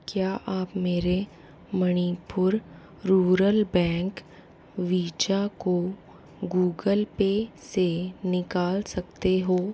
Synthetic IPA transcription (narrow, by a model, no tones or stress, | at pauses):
kjaːʔaːpmeːɾe | mɐñipʊɾ | ɾuːɾəlbɛ̃ːŋk | ʋiːt͡ʃako | ɡuːɡəlpesenɪkaːlsɐk̚t̪eɦoː